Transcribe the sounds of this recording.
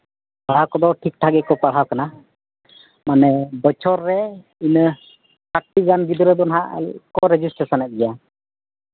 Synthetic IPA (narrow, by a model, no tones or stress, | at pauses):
paɽawkɔd̪ɔʈʰik̚ʈʰaɡɛkɔpaɽɦawkana | manɛbət͡ʃʰɔɾːɛ | inə | kaʈːiɡanɡid̪əɾəd̪ɔnɦaʔkɔɾɛd͡ʒisʈəsanɛt̪̚ɡɛja